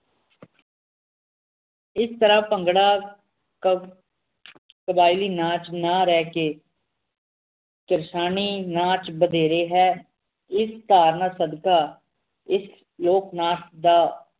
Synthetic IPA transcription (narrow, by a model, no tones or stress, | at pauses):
ɪst̪əɾaːpəŋɡɽaː | kəbaːɪliːnãːt͡ʃnãːɾɛːkeː | kɪɾsaːniːnãːt͡ʃbəd̪eːɾeːɦɛː | ɪst̪aːɾnaːsəd̪kaː | ɪs | loːknaːʈd̪aː